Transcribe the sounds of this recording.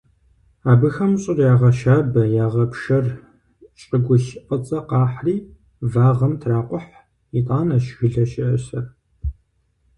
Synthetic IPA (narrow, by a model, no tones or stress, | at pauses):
aːbɨxɐmɕʼɪrjaːʁɐʃaːbɐjaːʁɐpʂɐr | ɕʼɪɡʷʊɕʔʼət͡sʼɐqɑːħriː | vaːʁɐmtʰraːqʷʊħ | itʼaːnaɕɣɨɮɐʃɪʔɐsɐr